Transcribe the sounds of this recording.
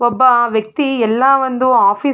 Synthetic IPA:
ɔbːɐʋjɐk̚t̪iɛlːɐʋond̪uaːpʰiː

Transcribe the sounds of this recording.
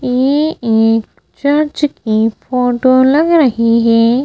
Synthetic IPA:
jeek | t͡ʃəɾd͡ʒkifoʈolɐɡɾəɦiɦɛ

